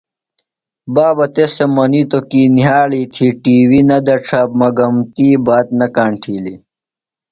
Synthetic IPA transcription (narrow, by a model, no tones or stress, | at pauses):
baːbɐt̪esemɐnit̪okiːniɦaːliːt̪ʰiʈiːwinɐd̪ɐʈ͡ʂʰaːbmɐɡɐmt̪iːbaːt̪̚nɐkaːɳʈʰiːli